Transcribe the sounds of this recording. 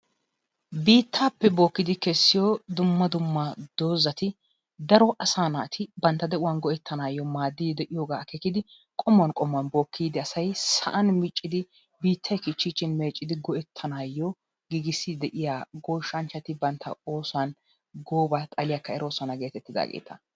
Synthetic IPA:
biːt̪ʰːaːpːɛbo̞ːkːɪd̪ɪkɛsːɪjɔd̪ʊmːɐd̪ʊmːɐd̪̥oːzɐt̪ɪ | d̪ɐɾɔʔɐsaːnat̪ʰɪbɐnt̪ːɐd̪ɛʔʊwanɡɔɛt̪ʰːɐnaːjːɔmaːd̪ːid̪ɛʔɪjoːɡaːkɛkːɪd̪ɪ | kʼɔmːʊwɐnkʼɔmʊwɐnbo̞ːkːiːd̪ɪɐsɐjsɐ̰ʔɐnmɪt͡ʃʼːɪd̪ɪ | biːt̪ʰːɐjkɪt͡ʃːit͡ʃːɪnme̞ːt͡ʃʼːɪd̪ɪɡɔʔɛt̪ʰːɐnaːjːɔ | ɡiɡɪsːɪd̪ɛʔɪjaːɡɔːʃːɐnt͡ʃːɐt̪ɪbɐnt̪ʰːɐ̰o̞ːsʊwɐn | ɡoːbat̪ʼɐlɪjakːɐɛɾo̞ːsɐnɐɡe̞ːt̪ɛt̪ːɪd̪a̰ɡḛːt̪ʰɐ

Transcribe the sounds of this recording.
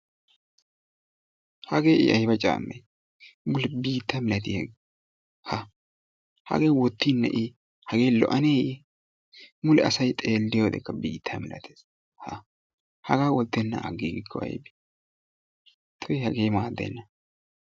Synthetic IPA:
hɐɡe̞ːɪ̰ʔɐjbɐt͡ʃʼa̰ːmːej | mʊlɛbiːt̪ːɐmɪlɐt̪ihɛɡ | hɐ | hɐ̰ɡeːwɔt̪ːinːɐ̰ʔɪ | hɐɡe̞ːlɔ̰ʔɐneːjɛ | mʊlɛɐsɐjt̪ʼe̞ːlːɪjoːd̪ɛ̰kːɐbiːt̪ʰːɐmɪlɐ̰t̪ʰeːs | hɐ | hɐɡaːwɔlt̪ːɛnːɐ̰ɐ̰ɡiːɡɪkʰːɔɐ̰jbi̥ | t̪ʰʊjhɐɡeːmaːd̪ːɛ̰nːɐ

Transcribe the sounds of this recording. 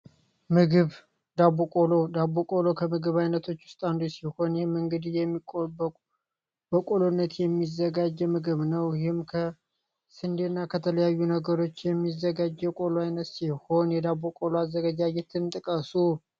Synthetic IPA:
mɨɡɨβ | d̪abokʼolo̞d̪aβokʼolo̞kʰəmɨɡɨβajnət̪ʰo̞t͡ʃːwʊ̥st̪ʼand̪usiho̞njɛhmɨŋɡɨd̪ijɛmːikʼokʼ | bəkʼolonːət̪jɛmːizəɡad͡ʒːɛmɨɡɨβnəwjhɪmkʰə | sɨnd̪enːakʰət̪ʰələjajːunəɡəɾo̞t͡ʃːjɛmːizːəɡad͡ʒːɛwkʼoloajnət̪siho̞njɛd̪aβokʼoloazːəɡad͡ʒad͡ʒɛt̪ʰɨnt̪ʼɨkʼəsu

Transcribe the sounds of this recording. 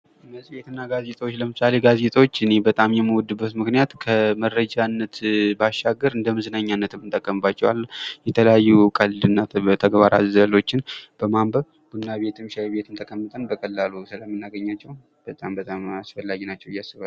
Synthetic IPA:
məsʼjet̪ɨnːaɡaze̞t̪ʼwot͡ʃːləmɨsale̞ɡaze̞t̪ʼwot͡ʃːɨne̞bət̪ʼamjɛmːəwɔd̪ːɨbːət̪mɨknijat̪kʰəməɾəd͡ʒanːət̪baʃaɡəɾɨnd̪əmɨzɨnaɲːanːət̪ɨmːɨnt̪ʼəkʼːəmɨbːat͡ʃːɛwa̰lːjɛt̪ʰələjajːukʼəlɨnːat̪ʰəɡβaɾa̰zəlo̞t͡ʃːɪnb̥əmambəβ | b̥unːaβe̞t̪ʰɨmʃaβe̞t̪ʰɨnt̪ʰəkʼʰəmːɨt̪ʼənbəkʼəlːalusɨləmːɨnːaɡəɲːat͡ʃːɛw | b̥ət̪ʼambət̪ʼamasfəlːaɡinat͡ʃːɛwɪjːasːɨβal

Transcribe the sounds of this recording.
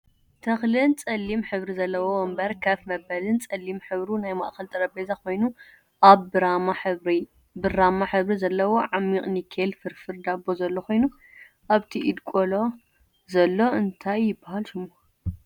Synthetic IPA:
t̪ʰɐxlɨnt͡sʼɐlːimħɨβɾizɐlːɐwowɔmbɐɾkʰafmɐbɐlɨnt͡sʼɐlːimħɨβɾunajma̰ʔxɐlt̪ʼɐɾɐbezakʰo̞jnu | ʔaβɾaa | bɨramaħɨβɾizɐlːɐwo̞ʕamːiqʼnikʰelfɨɾfɨɾd̪abozɐlːokʰo̞jnu | ʔaβt̪ʰiʔid̪kʼolo̞ | zɐlːo̞ɨnt̪ʰajːɪbːahalʃɨmːo

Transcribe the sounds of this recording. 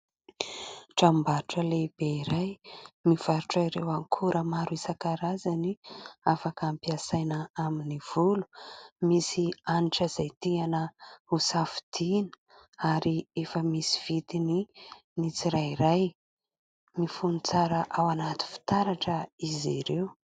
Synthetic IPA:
ʈ͡ʂambaɾuʈ͡ʂəleb̥eiɾajmiv̥aɾuʈ͡ʂiɾḛwaŋkʰuɾəmaɾuisakaɾazaniafakampiasajnəaminiv̥ulu̥misianiʈ͡ʂəzajt̪ianəusafi̥d̪̥inə̥ | aɾiefəmisi̥v̥it̪ini | nit͡siɾaiɾaj | mifunit͡saɾəʔawanat̪i̥fi̥t̪aɾaʈ͡ʂəiziɾew

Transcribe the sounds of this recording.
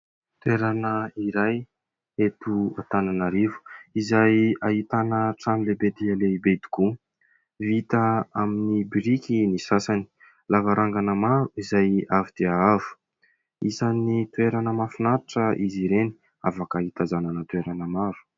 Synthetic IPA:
t̪ueɾanəiɾaj | et̪uat̪ananaɾivu̥izajaɦit̪anəʈ͡ʂamilebed̪ialebed̪i̥ku | vit̪əaminibiɾikʲinisasani̥ | lavaɾaŋɡanəmaɾuizajavid̪̥eaavu̥ | isanit̪ueɾanəmafunaʈ͡ʂəʔiziɾeni̥ | avakaɦit̪azananət̪ueɾanəmaɾu̥

